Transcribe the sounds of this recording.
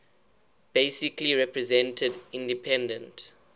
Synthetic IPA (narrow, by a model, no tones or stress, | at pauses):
b̥esikliɹɛpɹɛzɛ̃ntʰədĩndipʰɛ̃ndə̃nt